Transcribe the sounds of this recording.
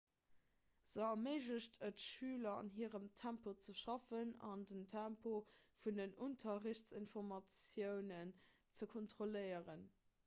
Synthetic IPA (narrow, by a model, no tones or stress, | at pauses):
z̥əɐməɪʒəɕtʰətʃyːlɐɑ̰nɦiːəʁəmtʰæmpot͡səʃɑfənɑndəntʰæmpʰofundənuntʰɐʁəɕt͡sinfoʁmɑt͡sjəʊnən | t͡səkʰontχoləɪəʁən